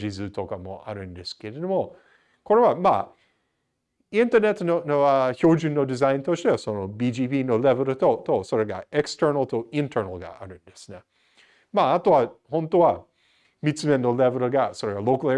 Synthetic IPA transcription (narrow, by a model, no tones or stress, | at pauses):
d͡ʒizɨt̪ʰokamo̰ʔa̰ɾɯ̃nd̪eskeɾenomo | kʰoɾewama̰ | ɪ̃nt̪ə˞nɛt̪nonoaçod͡ʒɨnːod̪ɪzãj̃nt̪oʃt̪esonobid͡ʒiːpiːnolɛvəɾot̪ot̪osoɾeɡa̰ɛkstɜ˞nəlˠt̪ʰoɪ̃ntʰə˞nɐlˠɡa̰ʔa̰ɾɯ̃nd̪esnɛ | maat̪oahõnt̪owa | mit͡sɨmenːolɛvəɾoɡasoɾeɡalokl